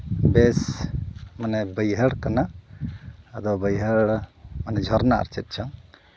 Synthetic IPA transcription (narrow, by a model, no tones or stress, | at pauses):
bɛs | manɛbəjɦəɽkanaː | d̪ɔbəjɦəɽmanɛd͡ʒʱɔɾna̰ːɾt͡ʃɛt̪̚t͡ʃʰɔŋ